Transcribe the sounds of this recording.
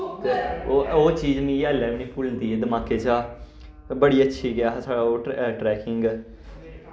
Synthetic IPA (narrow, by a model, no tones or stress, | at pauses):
oːoːt͡ʃiːd͡ʒmĩːəlɛːʋnĩːpuːlənd̪iːed̪əmaːkeːt͡ʃaː | bəɽiːətːʃʰiːɡɪjaːɦsaːɽaoːʈɾɛːkɪŋɡ